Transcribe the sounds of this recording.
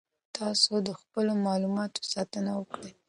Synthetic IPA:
t̪ʰɑsod̪əxpəlomɑlumɑt̪o̥sɑt̪ənawəkɽa

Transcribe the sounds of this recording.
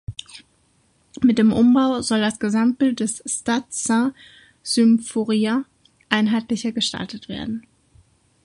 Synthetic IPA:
mɪt̚d̥eːmʔʊ̰mbaʊzɔldasɡ̥əzamt̚b̥ɪlt̚d̥ɛsstat͡sã | z̥ymfoʁia | ʔaɪnɦaɪtlɪçɐɡəʃta̰ltətv̥ḛːɐdn̩

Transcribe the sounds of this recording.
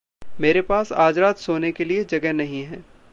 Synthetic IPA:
meːɾepaːsaːd͡ʒɾaːt̪soːnekelied͡ʒɐɡɛɦnɐɦĩɦɛ̃ː

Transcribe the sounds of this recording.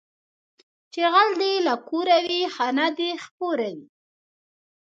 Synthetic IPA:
t͡ʃeɣald̪elakoɾawixanad̪expoɾawi

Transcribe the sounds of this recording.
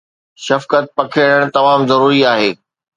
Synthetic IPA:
ʃɐfkət̪̚pɐkʰeɽəɽ̃t̪ɐmaːmzɐɾuːɾiaːɦeː

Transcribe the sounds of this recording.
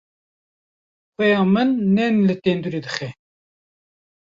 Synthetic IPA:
xʷɛjɑːmɨnːɛnlɨt̪eːnd̪uɾeːd̪ɨxɛ

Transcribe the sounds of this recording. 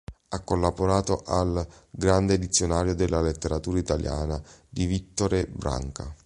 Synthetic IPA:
akːolːaboɾaːt̪oʔalɡɾand̪eːd̪it̪sːjonaːɾjod̪elːalet̪ːeɾat̪uːɾait̪alja̰ːnad̪ivit̪ːoɾebɾa̰ŋka̰

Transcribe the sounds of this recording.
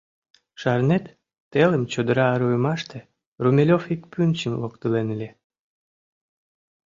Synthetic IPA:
ʃɑrnet̪ː | eləmt͡ɕod̪əɾɑːɾujmɑʃt̪e | rumʲelʲofikpynʲt͡ɕəmlokt̪əlenlʲe

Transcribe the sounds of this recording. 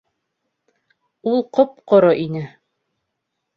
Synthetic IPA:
ulˠqop̚qŏɾoʔinɘ

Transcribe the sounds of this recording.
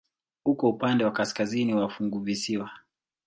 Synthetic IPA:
hukɔupandɛwakaskaziniwafuŋɡuvisiwa

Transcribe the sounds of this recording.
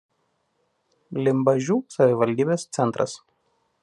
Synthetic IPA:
lʲɪmbɐʒʲuːsɐʋʲɪʋɐlʲd̪ʲiːbʲeːst̪sʲɛnt̪ɾʔɐ̰s

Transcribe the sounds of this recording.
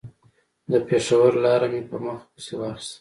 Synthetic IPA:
d̪əpeʂawəɾlɑɾamepəɾməxpəsewɑːxɪ̥st̪a

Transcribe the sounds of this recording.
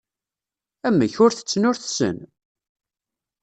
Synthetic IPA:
æmːæçʊɾθə̥t͡sːnʊɾθsə̰n

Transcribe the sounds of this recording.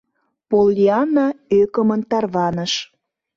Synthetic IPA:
polːiɑnɑøkəmənt̪ɑrβɑnəʃ

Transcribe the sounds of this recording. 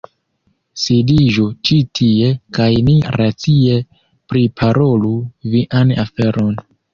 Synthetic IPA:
sidiʒut͡ʃitʰie̞kajniɾat͡sie̞ | pɾipʰaɾʔo̞luviʔana̰fe̞ɾʔo̞n

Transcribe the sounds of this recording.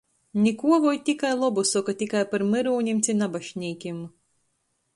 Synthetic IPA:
nʲikuɔvɔjt̪ʲikajlˠɔbusɔkat̪ʲikajpaɾmɨɾuːnʲimt̪sʲinabaʃnʲiːkʲim

